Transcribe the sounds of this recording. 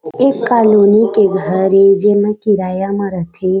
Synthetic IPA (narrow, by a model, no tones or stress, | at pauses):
ekːalonikeɡʱəɾed͡ʒenãkiɾajamãɾət̪ʰe